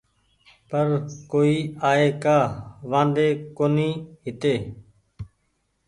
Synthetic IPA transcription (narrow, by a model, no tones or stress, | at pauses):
pəɾkoːiːaːeːkaːʋãːnd̪eːkoːniːɦɪt̪eː